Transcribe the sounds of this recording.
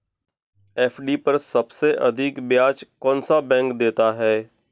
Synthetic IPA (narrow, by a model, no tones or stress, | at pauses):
ɛːfʰɖiːpəɾsəbseʔə̰d̪ʱɪkbjaːt͡ʃkɔ̃ːnsabɛ̃ːŋkd̪eːt̪aːɦɛː